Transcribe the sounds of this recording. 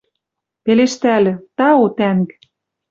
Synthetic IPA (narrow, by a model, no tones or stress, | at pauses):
peleʃt̪ælɘ̆t̪ɑot̪æŋk